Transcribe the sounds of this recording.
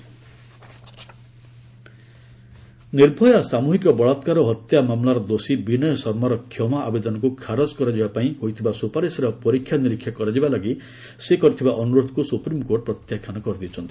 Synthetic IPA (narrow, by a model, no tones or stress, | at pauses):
niɾbʱɔjasamuɦikɔbɔɭɔt̪kaɾɔɦɔt̪jamamlaɾɔd̪osibinɔjɔsɔɾmaɾɔkʰːjɔmaʔabed̪ɔnɔkukʰaɾod͡ʒkɔɾad͡ʒibapaĩɦoɦit̪ʰibasupaɾesiɾɔpɔɾikʰːjaniɾikʰːjakɔɾad͡ʒibalɔɡi | sekɔɾit̪ʰibaʔɔnuɾod̪ʱɔ̥kusupɾimkoɾʈɔpɾɔt̪jakʰːanɔkɔɾɔd̪it͡ʃʰɔnt̪ʰi̥